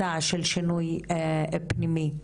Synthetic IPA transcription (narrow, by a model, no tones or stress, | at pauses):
aʕʃɛlʃinuj | pnimi